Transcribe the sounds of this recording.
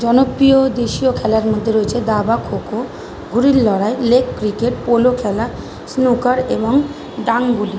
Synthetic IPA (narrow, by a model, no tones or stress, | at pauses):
d͡ʑɔnopːiod̪eʃiokʰɛlaɾmod̪ʱːeɾoet͡ɕʰed̪abakʰoko | ɡuɾilːɔɾaelekːɾikeʈ̚polokʰɛla | snukaɾeboŋ | d̪aŋɡuli